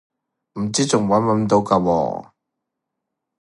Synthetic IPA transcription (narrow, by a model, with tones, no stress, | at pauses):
m̩˨˩t͡siː˥t͡sʊ˨˩ŋwɐ˨˥nwɐ˨˥nt̪o˨˥wka˧wɔ̰ː˧